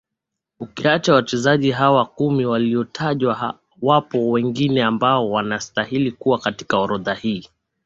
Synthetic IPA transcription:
ukiat͡ʃawat͡ʃɛzaʄiɦawakumiwaliɔtʰaʄwa | wapɔwɛŋɡinɛambaɔwanastahilikuwakati̥kaɔɾɔðahiː

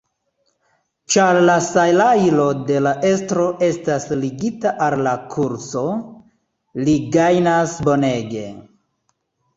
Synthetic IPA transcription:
t͡ʃaɾlasajlajlo̞de̞laʔe̞stɾo̞ʔe̞stasliɡitaʔalːakʰuɾso̞ | liɡajnasbo̞ne̞ɡe̞

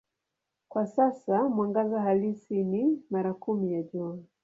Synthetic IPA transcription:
kwasasamwaŋɡazahalisinimaɾakumijaʄua

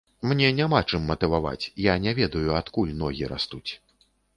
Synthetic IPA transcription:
mnʲɛnʲamat͡ʂɨmːɐt̪ɨvava̰t͡sʲjanʲɛvʲɛd̪ɐjuat̪kulʲnɔɣʲiɾa̰st̪ut͡sʲ

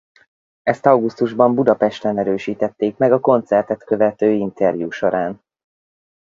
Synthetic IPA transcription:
ɛst̪ɒwɡust̪uʒbɒmbud̪ɒpɛʃt̪ɛnɛɾøːʃiːt̪ɛt̪ːeːkmɛɡɒko̞nt̪sɛrt̪ɛt̪kø̞vɛt̪øːint̪ʰɛrjuːʃo̞ɾaːn

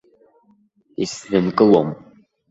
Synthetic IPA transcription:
isrɨnkʼɨlom

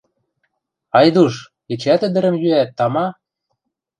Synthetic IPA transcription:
ɑjd̪uʃ | it͡ɕæt̪ɘ̆d̪ɘ̆ɾə̆mjyæt̪ːɑmɑ

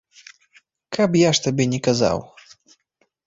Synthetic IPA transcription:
kapjaʂt̪abʲɛnʲɛkaza̰w

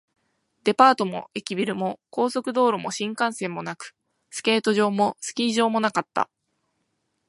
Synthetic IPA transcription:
d̪e̞paːt̪o̞mo̞̰e̞kʲibʲiɾɯ̟mo̞ko̞ːso̞kɯ̟d̪o̞ːɾomo̞ɕĩŋkãɰ̃sẽ̞mːo̞nakɯ̟̥ | sɨ̥ke̞ːt̪o̞ʑo̞ːmo̞sɨ̥kʲiːʑo̞ːmo̞nakat̪ːa̰

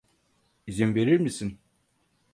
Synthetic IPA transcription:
izinve̞ɾiɾmisin

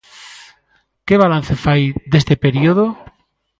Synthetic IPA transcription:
keβ̞alan̟θefajd̪est̪epeɾioðo

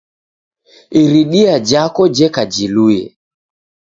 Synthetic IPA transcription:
iɾiɗiad͡ʒakɔd͡ʒɛkad͡ʒilujɛ̰

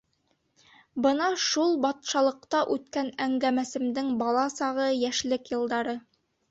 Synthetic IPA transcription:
bɤnɑʃulˠbɑt̪ʃɑlˠɤ̆qt̪ɑʔʉt̪kænæŋɡæmæsɘ̆md̪ɘŋbɑlˠɑsɑʁɤjæʃlɘkjɤ̆lˠd̪ɑɾɤ

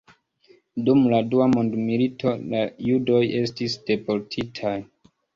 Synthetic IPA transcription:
dumladuamondmilitʰo̞lajudo̞je̞stisd̥e̞po̞ɾtʰitʰaj

